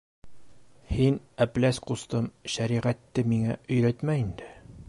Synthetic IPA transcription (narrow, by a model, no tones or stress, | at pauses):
hin | æplæsqust̪ɤmʃæɾiʁæt̪ːɘmiŋæɵ̆jɾæt̪mæind̪ɘ